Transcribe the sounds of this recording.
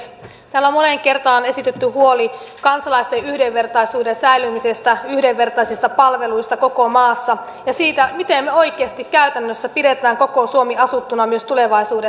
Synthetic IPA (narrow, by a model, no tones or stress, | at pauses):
t̪æːlːommoneŋke̞rt̪ɑːne̞sit̪et̪ːyhuolikɑnsɑlɑist̪eʔyhdeʋːe̞rt̪ɑisuːdensæilymisest̪æyhdeʋːe̞rt̪ɑisist̪ɑpɑlʋe̞luist̪ɑko̞komɑːsːɑ | jɑsiːt̪æmit̪emːeo̞ikeːst̪ikkæyt̪ænːøsːæpide̞t̪æːŋkokosuomiɑsut̪ːunɑmyøst̪ule̞ʋɑisuːde